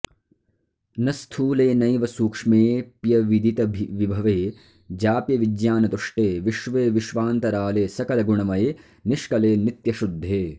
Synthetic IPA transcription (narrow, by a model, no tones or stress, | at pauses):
nɐst̪ʰuːleːnɐjʋɐsuːkʂmeːpjɐʋid̪ʱit̪ɐbʱʋibʱɐʋeː | d͡ʒaːpjɐʋid͡ʒjaːnɐt̪uʂʈeːʋiʃʋeːʋiʃʋaːnt̪ɐɾaːleːsɐkɐlɐɡuɳɐmɐje | niʃkɐleːnit̪jɐʃud̪ʱːeː